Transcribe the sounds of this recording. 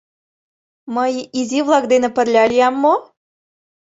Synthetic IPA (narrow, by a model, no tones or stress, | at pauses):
məjizivlˠɑk̚d̪enĕpə̆rlʲɑlʲijɑmːo